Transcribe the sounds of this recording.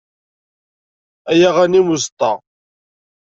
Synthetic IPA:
æjæʁænimuzt̪ˤːɑ

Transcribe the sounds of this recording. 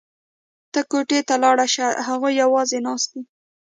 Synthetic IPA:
t̪əkoʈet̪alɑɽaʃahaɣojːawɑzenɑst̪̚i

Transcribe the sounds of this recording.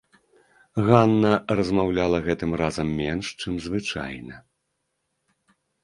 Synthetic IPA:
ɣanːɐrɐzmawlʲalˠɐɣɛt̪ɨmrazɐmːʲɛnʂt͡ʂɨmzvɨt͡ʂa̰jnɐ

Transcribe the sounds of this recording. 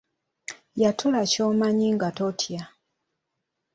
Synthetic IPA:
jatʰulaco̞ːmaɲiŋɡatotʰja

